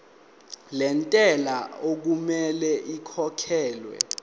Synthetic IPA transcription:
lɛntʼɛlaok̬umɛlɛʔikʰɔkʰɛːlwɛ̰

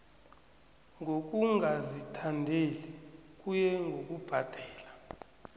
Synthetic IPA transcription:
ŋɡʱok̬ʼuŋɡʱazitʰandʱelikʼujɛŋɡʱok̬ʼub̥ʱad̥ʱɛːla

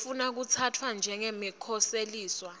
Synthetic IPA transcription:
funak̬ut͡sʰatʰwand͡ʒʱɛŋemikʰɔseliːswa

